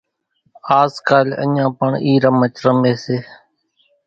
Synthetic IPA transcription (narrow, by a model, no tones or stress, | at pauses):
aːzkaːlə̰ɲãːpəɳiːɾəmət͡ʃɾəmeːseː